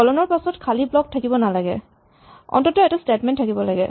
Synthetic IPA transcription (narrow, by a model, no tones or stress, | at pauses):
ɔlɔnɔɹpasɔtkʰaliblɔk̚tʰakibɔnalaɡɛ̰ | ɔ̰ntɔtɔɛtastetmɛntʰːakibɔlaɡɛ̰